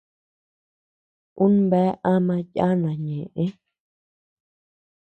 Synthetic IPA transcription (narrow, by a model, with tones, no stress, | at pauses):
ũ˦n˦bɛ˨˦ʔã˦mã˧ja˦nã˨ɲẽ˨ʔẽ˦